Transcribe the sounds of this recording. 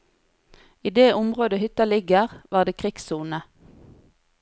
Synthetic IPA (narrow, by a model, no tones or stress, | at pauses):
iːd̪eːʔʊmʁoːd̪əhʏt̪ɑlɪɡəʁʋɑːʁd̪eːkʰʁɪksuːnə